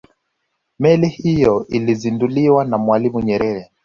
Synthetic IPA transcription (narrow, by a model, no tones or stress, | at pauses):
mɛlihijɔʔilizinduliwanamwalimuɲɛɾɛɾɛ